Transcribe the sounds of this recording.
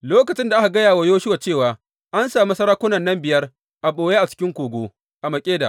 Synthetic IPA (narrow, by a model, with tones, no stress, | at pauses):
loː˦kɐ˨t͡ʃɪ˦nda˨ʔa˦ka˨ɡɐ˦jaː˨wa˦joː˦ʃɪ˦wa˨t͡ʃeː˦˨waː˨ | ʔa˦nsaː˨mi˦sɐ˦ɾaː˦kʷʊ˦nɐ˨nːɐ˦mbɪ˨jɐ˦r | ʔa˨ɓoː˨jeː˦ʔa˨t͡ʃɪ̥˦kʲɪ˦ŋkʷoː˨ɡʷoː˦ | ʔa˨mɐ˨kʲʼeː˦da̰˨ʔ